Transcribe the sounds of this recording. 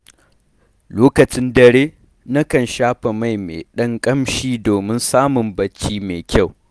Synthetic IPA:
loː˦kɐ˨t͡ʃɪ˦ndɐ˨ɽeː˦ | na˦kɐ˨nʃaː˦ɸe˨ma˦˨jmḛː˨ɗɐ˦ŋkʼɐ˦mʃiː˦doː˨mɪ˦nsaː˦mʊ˨mbɐ˦t͡ʃiː˦meː˨kʲa˦˨w

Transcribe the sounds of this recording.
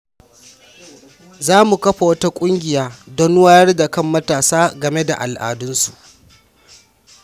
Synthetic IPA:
zaː˦mu˨kɐ˦ɸa˨wɐ˦ta˦kʷʼʊ˦ŋɡʲɪ˨jaː˦dɔ˦n˦waː˦jɐ˦rda˨kɐ˦mːɐ˦taː˨saː˦ɡɐ˨me˦da˨ʔa̰˨lʔa̰ː˨dʊ˦nsu˨ʔ

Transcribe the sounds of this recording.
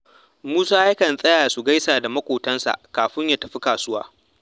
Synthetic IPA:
muː˦saː˦ja˦kɐ˨nsʼɐ˦jaː˨su˨ɡa˦jsaː˨da˨mɐ˦kʷoː˨tɐ˦nsa̰˨ʔkaː˨ɸɪ˦ɲja˦tɐ˨ɸi˦kaː˨sʊ˦wa̰ː˦

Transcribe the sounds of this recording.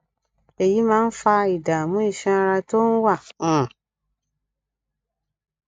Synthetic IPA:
e˨ji˨˦mãː˦n̩˦fa˧i˨da˨mũ˦i˦˨ʃɛ̃˧˦a˧ɾa˧to˦n̩˦wã˦˨˦

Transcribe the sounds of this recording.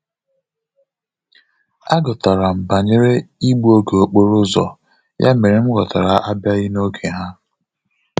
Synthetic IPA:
a˦ɡɔ˨ta˨ɾa˨m̩˨ba˨ɲe˦ɾe˦i˦ɡ͡bo˦ɡe˨o˨k͡po˦ɾʊ˦zɔ̰˨ | jʔa̰˦me˨ɾe˨m̩˦ɡɔ˨ta˨ɾa˨ʔa˦bja˦ɣi˦no˦kʰe˨ɦa˦

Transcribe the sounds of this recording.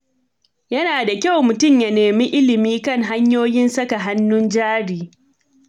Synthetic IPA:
jɐ˦naː˨da˨kʲa˦˨wmʊ˨tʊ˦˨mja˨neː˨mi˦ʔɪ˦lɪ˨miː˦kɐ˦ŋɦa˦ɲjoː˦jɪ˦nsɐ˦ka˨ɦa˦nːʊ˦nd͡ʒaː˦ɽiː˨

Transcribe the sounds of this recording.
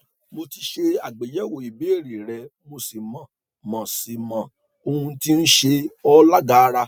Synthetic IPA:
mo˧ti˧ʃe˧a˨ɡ͡be˨jɛ˨˦wo˨i˨be˨˦e˦˨ɾi˨ɾɛ˧mo˧si˨mã˨ | mɔ̃˨si˨mã˨ | o˧hũ˧ti˦n̩˦ʃe˧ɔ˦la˦ɡa˨˦˧ɾa˧

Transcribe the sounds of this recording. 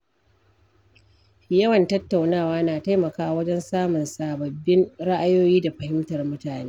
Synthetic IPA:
jɐ˦wɐ˨ntɐ˦tːa˨wnaː˦˨waː˦naː˨ta˦jmɐ˨kaː˦wɐ˦d͡ʒɛ˦nsaː˦mʊ˨nsaː˨bɐ˨bːɪ˦nɽa˦ʔa˦joː˦jiː˦da˨ɸɐ˨hɪ˦mtɐ˨rmʊ˦taː˨neː˦

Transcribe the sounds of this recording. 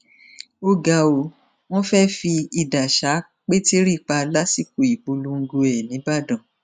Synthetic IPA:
o˦ɡa˧˨o˨ | w̃ɔ̃˦fɛ˦fi˧i˨da˨ʃa˨˦ | k͡pe˦ti˦ɾi˦˨k͡pa˧la˦si˦˨ku˨i˨ɡ͡bo˧lu˦ŋ̩˦˧ɡu˧ɛ˨nĩ˨˦ba˦˨dɔ̃˨

